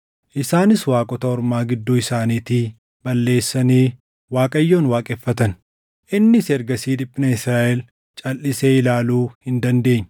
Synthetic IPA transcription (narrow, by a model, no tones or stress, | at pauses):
ʔɪsaːnɪswaːkʼɔt̪ɐɔɾmaːɡɪd̪ːuːɪsaːniːt̪ɪ | bɐlːe̞ːsːɐneː | waːkʼɐjːo̞ːnwaːkʼefːɐt̪ɐn | ʔɪnːɪsɛɾɡɐsiːᶑ̪ɪpʼːɪnɐɪsɾaːʔɛl | t͡ʃʼɐlʔɪseːɪlaːluːhɪnd̪ɐnd̪e̞ːɲː